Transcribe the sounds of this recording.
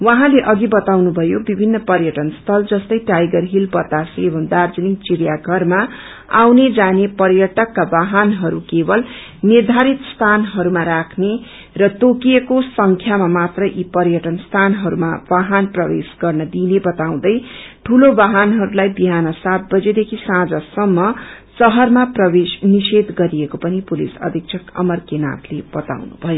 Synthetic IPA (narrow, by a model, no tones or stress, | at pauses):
wʌ̃ɦãleʔʌɡibʌt̪awnubʱʌjobibʱinːʌpʌrjʌʈʌnst̪ʰʌld͡zʌst̪ʌjʈajɡʌrɦilbʌt̪ːasebʱʌmd̪ard͡zʌnikt͡siɾjaɡʱʌrma | a̰wned͡zanepʌrjʌʈʌkːabaɦʌnɦʌɾukebʌl | nird̪ʱaɾit̪st̪ʰanɦʌɾumaɾakʰne | rʌt̪okijekosʌŋkʰjamamat̪rʌʔipʌrjʌʈʌnst̪ʰanɦʌɾumabaɦʌnprʌbesɡʌrnʌd̪inebʌt̪aw̃d̪ʌjʈʰulobaɦʌnɦʌɾulajbiɦanʌsat̪̚bʌd͡zed̪ekʰisãd͡zʌsʌmːʌ | sʌɦʌrmaprʌbesnised̪ɡʌɾijekopʌnipulḭsʌ̰d̪ʱik̚t͡sʰʌkʌ̰mʌrkena̰t̪leb̥ʌt̪a̰wnṵbʱʌjo